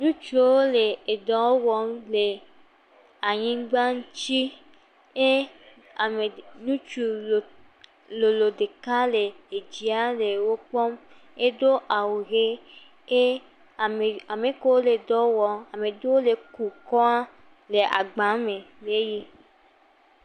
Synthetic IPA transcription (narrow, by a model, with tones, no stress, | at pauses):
nũ˦t͡ʃu˦wo˦le˨e˨dɔ˨o˦wɔ˦mle˨ | a˨ɲĩ˦ɡ͡ba˦n̩˦t͡ʃi˦ | e˦ | a˨me˨nũ˦t͡ʃu˨o˨ | lo˨lo˨de˨ka˦le˨e˨d͡ʒi˨a˦le˨wo˦k͡pɔ˦m | e˦do˦ʔa˨wu˨ɣe˦ | e˦˨ | e˨a˨mẽ˨˦ko˦wo˦le˨dɔ˨˦wɔ˧a˨me˨do˦wo˦le˨ku˨kɔ˦a˦ | le˨ʔa̰˨ɡ͡ba˨˦me˨le˦ji˦